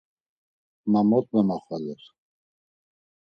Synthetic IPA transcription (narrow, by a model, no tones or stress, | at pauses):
mamɔt̪̚ʼmɛmaχwalɛɾ